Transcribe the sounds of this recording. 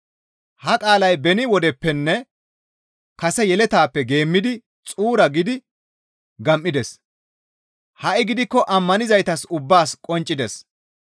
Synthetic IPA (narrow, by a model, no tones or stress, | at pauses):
hɐkʼaːlɐjbɛnɪwɔd̪ɛpːɛnːɛ | kɐsɛjɛlɛt̪aːpːɛɡe̞ːmːɪd̪ɪ | t͡sʼuːɾɐɡɪd̪ɪ | ɡɐmʔːɪd̪ɛs | hɐʔɪɡɪd̪ɪkːɔʔɐmːɐnɪzɐjt̪ɐsʊbːaːskʼɔnt͡ʃʼːɪd̪ɛs